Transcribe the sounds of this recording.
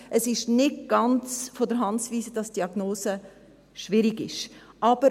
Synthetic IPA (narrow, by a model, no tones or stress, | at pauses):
ʔəsɪʃnɪtɡ̥ɑnt͡sfodəɾɦɑnt͡sviːsəd̥ɑsd̥iɑɡ̥noːsə | ʃvɪɾiɡɪ̰ʃʔɑb̥əɾ